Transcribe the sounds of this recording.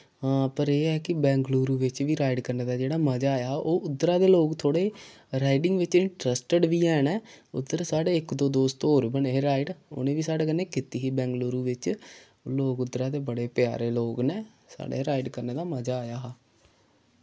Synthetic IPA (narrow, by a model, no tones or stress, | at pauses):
ɦãːpəɾeːɛːkɪbɛ̃ːŋɡluːɾuːʋɪt͡ʃʋiːɾaːɪɖkəɾneːd̪aːd͡ʒeːɽaːməd͡ʒaːjaːɦʔoːʔʊd̪ɾaːd̪eːloːkt̪ʰoːɽeː | ɾaːɪɖɪŋɡʋɪt͡ʃɪɳʈɾəsʈəɖʋiːɛːnɛːʊd̪əɾsaːɽeːɪkd̪oːd̪oːst̪oːɾbəneeɾaːiɖo̰nẽːʋiːsaːɽeːkənːẽːkit̪iːiːbɛ̃ːŋɡluːɾuːʋɪt͡ʃ | loːkʊd̪ɾaːd̪eːbəɽeːpja̰ːɾeːloːɡneː | sa̰ːɽḛːɾaːɪɖkəɾneːd̪aːməd͡ʒaːjaːɦː